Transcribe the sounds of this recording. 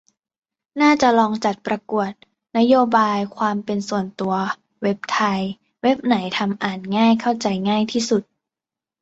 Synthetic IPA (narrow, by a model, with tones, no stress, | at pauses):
naː˥˩t͡ɕa˨˩lɔː˧ŋt͡ɕa˨˩t̪̚pɾa˧ku˨˩ət̪̚ | na˦˥joː˧baː˧jkʰwaː˧mpe˧nsu˨˩ənt̪u˧ɐ | we˦˥p̚t̪ʰa˧j | we˦˥p̚na˩˦jt̪ʰa˧mʔaː˨˩nŋaː˥˩jkʰa˥˩wt͡ɕa˧jŋaː˥˩jt̪ʰiː˥˩su˨˩t̪̚